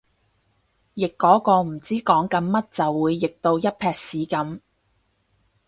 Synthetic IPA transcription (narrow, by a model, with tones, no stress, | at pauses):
jɪ˨kːɔː˨˥kɔː˧m̩˨˩t͡siː˥kɔː˨˥ŋkɐ˨˧nmɐ˥t̚t͡sɐ˨wːuː˨˧jːɪ˨k̚t̪o˧wjɐ˥t̚pʰɛː˧k̚siː˨˥kɐ˨˥m